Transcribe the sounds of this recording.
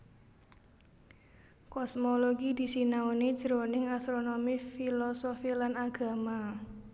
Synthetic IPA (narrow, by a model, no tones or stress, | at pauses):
kɔsmoloɡid̪i̤sinaone̥d͡ʒəɾonɪŋast̪ɾonomifilɔsofilanaɡ̥a̤ma